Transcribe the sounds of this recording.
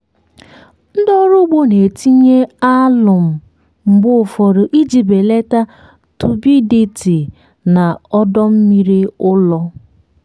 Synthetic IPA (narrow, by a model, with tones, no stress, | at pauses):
n̩˦dɔ˦ɾʊ˦ɡ͡bo˦ne˨ti˦ɲe˦a˦lʊ˨m̩˨ | ŋ͡m̩˨ɡ͡bʊ˦˨fɔ˨ɾʊ˨ʔi˦d͡ʒi˨be˨le˦ta˦ | tu˨bi˦di˦ti˨ | na˨ɔ˦dɔ˦m̩˦mi˦ɾi˦ʊ˦lɔ˦